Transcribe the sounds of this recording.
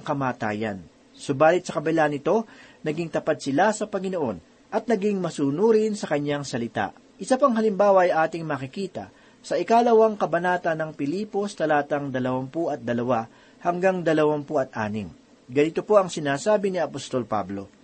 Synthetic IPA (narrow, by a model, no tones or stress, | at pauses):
ɐŋkɐmaːt̪a̰ːjɐ̰n | sʊbaːlɪt̪̚sɐkɐbɐlaʔɐnɪt̪o̞nɐɡiŋt̪ɐpad̪̚sɪlasɐpɐŋɪno̞ʔo̞n | ʔɐt̪̚nɐɡɪŋmɐsuːnuːɾɪnsɐkɐɲːaŋsɐlɪt̪a̰ʔ | ʔɪsɐpɐŋɦɐlɪmbaːwɐʔɐjʔaːt̪ɪŋmɐkɪkiːt̪ɐ̰ | sɐʔɪkaːlɐwɐŋkɐbɐnaːt̪ɐnːɐŋpɪliːpo̞st̪ɐlaːt̪ɐŋd̪ɐlɐwɐmpuʔɐt̪̚d̪ɐlɐwa | hɐŋɡaŋd̪ɐlɐwampoʔɐt̪̚ʔa̰ːnɪ̰ŋ | ɡɐnit̪opo̞ʔɐŋsɪnaːsaːbɪniɐpost̪o̞lpa̰blo̞̰